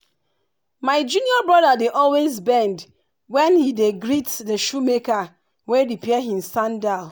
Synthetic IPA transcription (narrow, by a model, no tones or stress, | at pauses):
maɪd͡ʒuniɔbɹɔdadeʔɔlwezbɛ̃nd | wɛ̃nhideɡɾitdəʃumeka | wedipiɛɦĩmsãndaʊ